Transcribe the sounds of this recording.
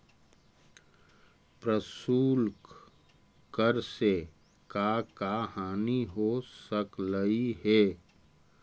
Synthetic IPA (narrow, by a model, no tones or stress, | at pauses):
pɾəsuːlk | kəɾse | kaːkaɦaːniɦosəkləiɦɛː